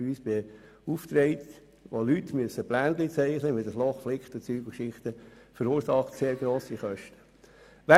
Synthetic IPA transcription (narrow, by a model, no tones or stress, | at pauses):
yːsb̥e | uft̪ɾɛɪt | ʋolytmyəsəplæːnd̪lit͡sɛɪχnəʋɪld̪ɑslɔχflɪkχt̪ət͡syːɡəkʃɪχt̪əfəɾuːɾsɑχtseːɾɡɾoːsiχœʃtə̥ | ʋæ